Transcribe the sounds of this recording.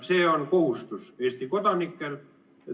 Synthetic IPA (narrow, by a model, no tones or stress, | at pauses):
seːonkohust̪useːˑst̪ikot̪onikːæn